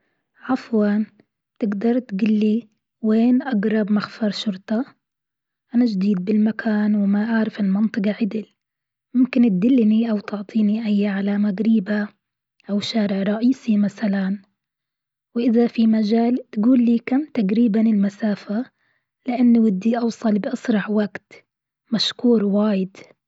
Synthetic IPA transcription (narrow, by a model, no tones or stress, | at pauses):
ʕɑfwan | bt̪ɪɡd̪ɑɾˤt̪ɡʊlːi | weːnʔaɡɾˤɑbmaxfɑɾˤʃʊɾt̪ˤɑ | ʔanaʒd̪iːd̪̚bɪlmakʰaːnwɪmaʔaʕɾɪfɪlmɪnt̪ˤɨqɑʕɪd̪ɪl | mʊmkɪnt̪̚d̪ɪlːniʔawt̪ɪʕt̪ˤʰiːniʔajːaʕalamaɡɾiːba | ʔawʃaːɾɪʕɾˤɑʔiːsimasalan | wʔɪðafimad͡ʒaːlt̪ɡuːlːiːkamt̪aɡɾiːbanɪlmasaːfa | lɪʔanːwɪd̪ːiʔɑwsˤɑlbɪʔɑsɾˤɑħwaɡt̪ | maʃkuːɾwaːjɪd̪